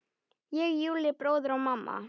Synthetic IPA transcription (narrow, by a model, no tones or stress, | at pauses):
jɛɡjʉːlɪbɾoːðəɾɔmamːʔa̰